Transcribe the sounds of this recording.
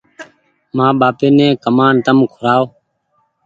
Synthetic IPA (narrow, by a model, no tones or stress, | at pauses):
mãːɓaːpeːnẽːkəmaːnt̪əmkʰʊɾaːoː